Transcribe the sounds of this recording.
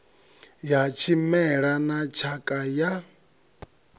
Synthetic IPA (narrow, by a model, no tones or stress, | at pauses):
jat͡ʃʰimɛɺanat͡ʃʰakʼaja